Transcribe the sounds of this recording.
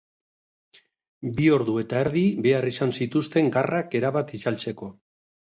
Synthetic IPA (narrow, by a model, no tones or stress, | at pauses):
bio̞ɾðue̞t̪aeɾðiβe̞arisansit̪ust̪e̞ŋɡarake̞ɾaβat̪it͡ʃalt͡se̞ko̞